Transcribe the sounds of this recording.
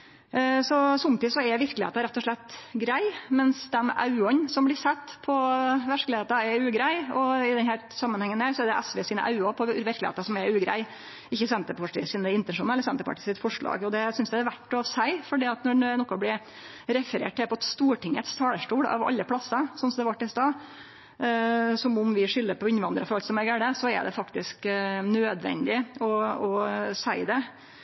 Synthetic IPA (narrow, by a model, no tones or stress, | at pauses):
sɔsɔmt̪ɪːsɔɛʋɪɾklɪhḛːt̪ɑɾɛt̪ːɔʂɭɛt̪ːɡɾæɪmɛnsd̪ɛmɑ̰ʉɔnsɔmblɪsɛt̪ːpʰɔʋæʂklɪeːt̪ɑɛɾʉːɡɾæɪɔɪd̪ɛnhæːɾsɑmːənhɛŋːənhæːɾsɔɛɖɛʔɛsʋɛsiːnə̰ʔɑ̰ʉɑpʰɔʋɪɾklɪḛːt̪ɑsɔmɛɾʉːɡɾæ̰ɪ | ɪçːəsɛnt̪əpʰɑʈɪ̰siːnəɪnt̪ɛnʂuːnɛlːəɾsɛnt̪əɾpɑ̰ʈɪːsɪt̪fɔʂɭɑ̰ːɡɔd̪ɛsʏnsd̪ɛæɾʋæʈːɔsæɪfɔɖiːɑt̪nɔnɛnɔkːɔblɪ | ɾɛfəɾḛːʈ̚t̪ɪlpɔɛt̪st̪uːʈɪŋət̪st̪ʰɑːɽəʂʈuːɽɑ̰ʋɑ̰lːəpʰlɑsːəsɔnsɔmd̪ɛʋɑʈːɛst̪ɑ | sɔmʊmʋɪʂʏlːəɾpɔɪnʋɑnd̪ɾəfɔɾɑlt̪sɔmɛɡæɖɛsɔɛ̰ɖ̪ɛ̰fɑkt̪ɪsknøːd̪ʋɛ̰nd̪ɪɔɔsæɪd̪ɛ